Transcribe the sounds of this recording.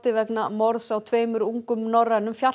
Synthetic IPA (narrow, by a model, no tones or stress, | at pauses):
t̪ɪvɛknamɔɾðsawt̪ʰveːjmʏɾuŋkʏmnɔrːanʏmfja